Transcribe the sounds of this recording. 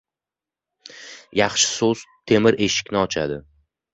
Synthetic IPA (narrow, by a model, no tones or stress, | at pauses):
jɑχʃɪ̥soz̥t̪ʰe̞mɪɾʔe̞ʃɪ̥kʲnɪɒt͡ʃʰa̰d̪ɪ